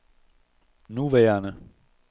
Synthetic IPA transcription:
nuʋɛːɐnə

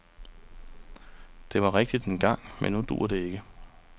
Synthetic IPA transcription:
d̥e̝ʋɑ̈ʁɛɡ̥̚d̥id̥enɡ̥ɑ̈ŋ̰mḛnːud̥ṵɐd̥e̝e̝ɡ̥ə

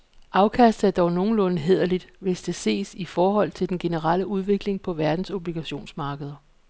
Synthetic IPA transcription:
ʔɑ̈ʊkʰæsd̥̩ˠæɐd̥ɒʊno̝ːn̩lɔ̽nəɦe̝ð̞̰ˠɐlid̥ʋe̝sd̥e̝se̝̰ːsifɒːɦɒ̽l̰t͡sʰe̝ld̥enɡ̥e̝nəʁɑl̰əuð̞ˠʋe̝ɡ̥le̝ŋpʰɒ̽ʋæɐd̥n̩so̝b̥liɡ̥æɕo̝̰ːnsmɑ̈ːɡ̥əð̞ˠɐ

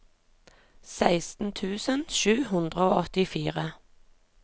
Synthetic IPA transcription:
sæɪst̪n̩t̪ʰʉːsənʃʉːhʉnd̪ʁəoːɔt̪ɪfiːʁə

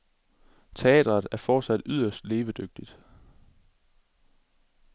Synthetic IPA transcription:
t͡sʰe̝ɛ̰ːd̥ʁɐð̩ˠæɐfɒ̥ːsæd̥yð̰ˠɐsd̥le̝ːʋəd̥øɡ̥̚d̥id̥

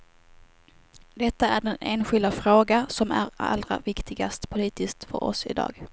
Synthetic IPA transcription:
d̪ɛt̪ːaæɖɛneːnɧɪld̪afɾoːɡasɔmæɾa̰lːɾa̰vɪkt̪ʰɪɡast̪pʰʊliːt̪ɪsk̚t̪fœ̰ɾɔ̰sɪ̰d̪ɑ̰ːɡ

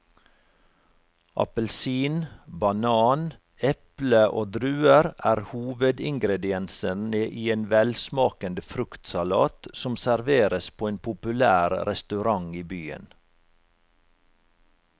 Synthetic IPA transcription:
ʔɑ̰pəlsiːnbɑnɑːn | ɛpləʔo̰ːd̪ɾʉːəɾæːɾhuːʋəd̪ɪŋɡɾɛd̪ɪɛnsənəʔiːeːnʋɛlsmɑːkənd̪əfɾʉkt̪sɑlɑ̰ːt̪sɔmsæɾʋeːɾəspʰoːeːnpʰʊpʉlæːɾɾɛst̪ʉɾɑŋiːbyːə̰n

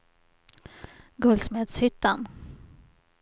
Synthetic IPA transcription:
ɡɵlsmeːd̪shʏt̪ːan

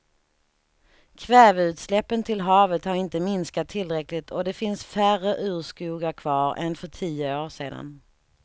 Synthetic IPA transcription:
kʰvɛːvʉ̟ːt̪slɛpːənt̪ʰɪlɦɑːvət̪haɾɪnt̪əmɪnskat̪ʰːɪlːɾɛklɪt̪ʰɔd̪ɛfɪnsfærəʔʉ̟ːʂkuːɡaɾkʰv̥ɑːɾɛ̰nfœʈʰiːəoːʂeːd̪a̰n

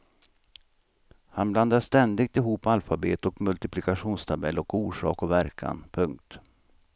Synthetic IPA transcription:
hanbland̪aʂt̪ɛnd̪ɪɡ̚t̪ɪɦuːpːalfabḛːt̪ɔkmɵlt̪ɪpʰlɪkaɧuːnst̪ʰabɛlːɔkuːʂɑ̰ːkɔvæɾkʰa̰npʰɵŋk̚t̪

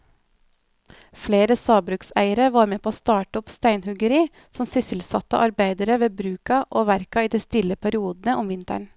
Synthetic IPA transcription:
fleːɾəsɑːbɾʉːksæ̰ɪəɾəʋɑːɾmeːpʰoːoːst̪ɑːʈəɔpst̪æɪnhʉɡəɾiː | sɔmsʏsəl̩sɑt̪ə̰ʔɑɾbæɪd̪əɾəʋeːbɾʉːkɑʔoːʋæɾkɑiːd̪æɪst̪ɪləpʰæɾɪuːd̪n̩əʔɔmʋɪnt̪æ̰ɳ

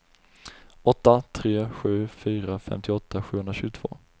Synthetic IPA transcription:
ʔɔt̪ːat̪ʰɾeːɧʉ̟ːfyːɾafɛ̰mt̪ʰɪɔt̪ːaɧʉːhɵnɾaɕʉ̟ːɡʊt̪ʰvo̰ː

